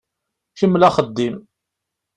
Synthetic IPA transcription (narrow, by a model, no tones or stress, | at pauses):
ʃəmːlæχəd̪ːim